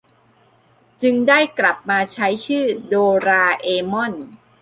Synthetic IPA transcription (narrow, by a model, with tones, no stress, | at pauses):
t͡ɕɯ˧ŋdaː˥˩jkla˨˩p̚maː˧t͡ɕʰa˦˥jt͡ɕʰɯː˥˩doː˧ɾaː˧ʔeː˧mɔ˥˩n